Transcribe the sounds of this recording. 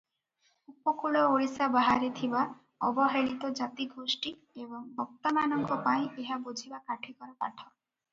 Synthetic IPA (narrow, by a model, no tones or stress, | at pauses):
upɔkuɭɔoɭisabaɦaɾet̪ʰiba | ɔbɔɦeɭit̪ɔd͡ʒat̪iɡʱosʈi | ebɔŋbʱɔk̚t̪amanɔŋkɔpaĩʔeɦabud͡ʒʱibakaʈʰikɔɾapa̰ʈʰɔ